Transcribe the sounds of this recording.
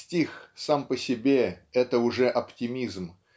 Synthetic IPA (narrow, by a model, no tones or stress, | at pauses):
tʲixsampəsʲɪbʲe̞ɛt̪əʊʐɛʔɐptʲɪmʲizm